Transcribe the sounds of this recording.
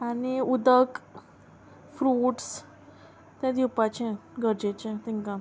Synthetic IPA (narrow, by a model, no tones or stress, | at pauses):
aniud̪ək | fɾuːʈs | t̪jãd̪ipat͡ɕẽɡəɾd͡ʑet͡ɕẽt̪iŋkã